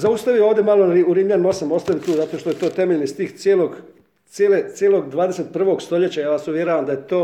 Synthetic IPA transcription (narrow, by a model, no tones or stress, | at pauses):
zaust̪aʋioːʋd̪ʲemalˠoɾiuɾiːmʎano̞samo̞st̪aʋimt̪uːzat̪o̞ʃt̪ojet̪o̞ːt̪e̞meʎnist̪iːxsjeːloɡ | t̪sjeːlet̪sjelo̞ɡd̪ʋaːd̪eset̪̚pr̩ʋo̞ɡst̪o̞ʎe̞t͡ɕajaːʋasuʋjeɾoʋamd̪ajet̪oː